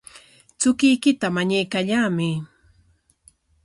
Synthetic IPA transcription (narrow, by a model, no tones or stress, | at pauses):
t͡sʊkɪjkɪt̪amaɲajkaʎaːmɪ